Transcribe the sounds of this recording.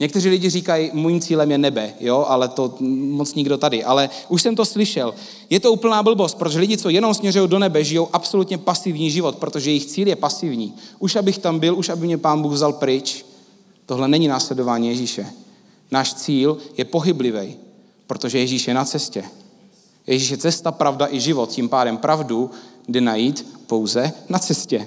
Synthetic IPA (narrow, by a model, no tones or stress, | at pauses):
ɲɛkt̪ɛriːlɪɟɪriːkajimojimt͡siːlɛmjɛnɛbɛjoʔalɛt̪o̞mot͡sɲɪɡdo̞t̪adɪʔalɛʔuʃsɛmt̪o̞slɪʃɛl | jɛt̪ouːpl̩naːbl̩bo̞st̪pɾot̪oʒɛlɪɟɪt͡so̞jɛnomsmɲɛrujowdo̞nɛbɛʒɪjowʔapso̞lut̪ɲɛpasɪvɲiːʒɪvo̞t̪̚pɾo̞t̪o̞ʒɛjɛjɪxt͡siːljɛpasɪvɲiːʔuʃʔabɪxt̪ambɪluʃabɪmɲɛpaːnbuːɣvzalpɾɪt͡ʃ | t̪o̞ɦlɛnɛɲɪnaːslɛdo̞vaːɲiːjɛʒiːʃɛ | naːʃt͡siːljɛpo̞ɦɪblɪvɛj | pɾo̞t̪oʒɛjɛʒiːʃjɛnat͡sɛscɛ | jɛʒiːʃ̬jɛt͡sɛst̪apɾavdaʔɪʒɪvo̞t̪̚cimpaːdɛmpɾʔavdudɛnajiːt̪po̞wzɛnat͡sɛscɛ